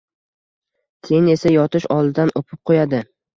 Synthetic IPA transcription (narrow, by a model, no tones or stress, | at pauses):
kʲʰe̞jɪne̞sajɒt̪ɪʃɒlˠɪd̪anʔopʰɪp̚qʰojad̪ɪ